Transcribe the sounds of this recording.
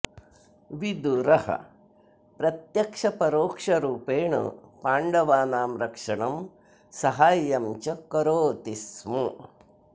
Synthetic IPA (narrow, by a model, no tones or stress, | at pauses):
ʋid̪uɾɐhɐ̰ | pɾɐt̪jɐkʂɐpɐɾoːkʂɐɾuːpeːɳɐ̰paːɳɖɐʋaːnaːmɾɐkʂɐɳɐm | sɐɦaːjɐmt͡ʃɐkɐɾoːt̪ismu